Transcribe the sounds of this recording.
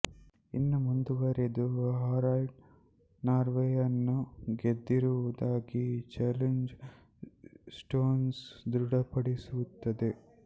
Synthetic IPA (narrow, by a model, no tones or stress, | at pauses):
ḭnːumund̪uʋɐɾed̪uʋɐɦaːɾaːjʈ | naːɾʋejɐnːuɡed̪ːiɾuʋud̪aːɡit͡ʃɛleɲd͡ʒ | sʈoːnsd̪ɾuɽɐpɐɽisut̪ːɐd̪e